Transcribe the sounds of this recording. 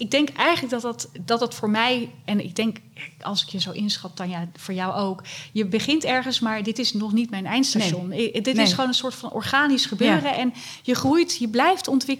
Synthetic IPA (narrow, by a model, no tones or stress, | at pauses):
ɪɡ̚dɛŋkʔɛjχələk̚dɑtdɑtdɑtdɑtfʊːɹmɛjɛnɪ̰ɡ̚dɛŋk | ɑ̰lˠsɪ̥kjəzowʔɪnsχɑp̚d̥ɑnjafʊːɹjɑwowkjəbəχɪntɛɹχənsmaːɹdɪtɪsnɔχnitmɛjnɛjntstaʃɔndɪtɪsχʋownənsʊːɹtfɑnʔɔ̰ɹχaːnisχəbøːrəʔɛn | jəχrujtjəblɛjftɔntʋɪk